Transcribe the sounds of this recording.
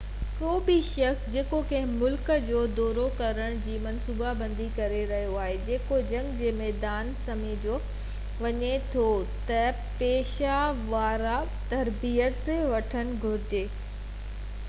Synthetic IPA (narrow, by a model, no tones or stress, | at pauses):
koːbiʃɐksd͡ʑeːkokɐ̃ɦɪ̃mʊlkəd͡ʑoːd̪ɔːɾokɐɾəɽ̃d͡ʑiːmɐnsuːbabɐ̃nd̪ikɐɾeɾɐɦijoaːɦed͡ʑeːkod͡ʑɐ̃ŋɡd͡ʑeːmɛːd̪aːnsɐmed͡ʑoː | ʋɐɲet̪ʰot̪ɐ | peːʃaʋaːɾa | t̪ɐɾbijət̪ʋɐʈʰəñɪ̆ɡʱʊɾɪd͡ʑeː